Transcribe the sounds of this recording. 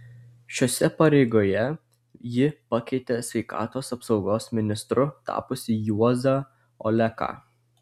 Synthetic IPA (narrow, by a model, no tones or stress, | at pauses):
ʃʲoːsʲɛpɐɾʲɛɪɡoːjɛ | jɪpɐkʲɛɪt̪ʲesʲʋʲɛɪkɑ̰ːt̪oːsɐpsɒʊɡoːsmʲɪnʲɪst̪ɾʊt̪ɑ̰ːpʊsʲɪjuɔzɐ | ɔ̰lʲɛkɑ̰ː